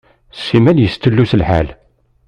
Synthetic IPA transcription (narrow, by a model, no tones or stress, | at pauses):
sːimænjəst̪əlːusəlħa̰l